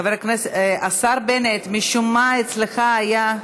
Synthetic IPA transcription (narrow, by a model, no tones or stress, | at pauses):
aveʁakneseasaʁbenet̪miʃumːaet͡sleχaːja